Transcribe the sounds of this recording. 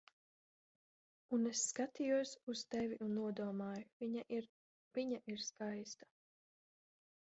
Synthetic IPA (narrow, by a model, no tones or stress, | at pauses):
unesːkat̪ijuɔsust̪ɛviʔunːuɔd̪uɔmaːjuviɲaʔiɾ | viɲaʔiɾskajst̪ḁ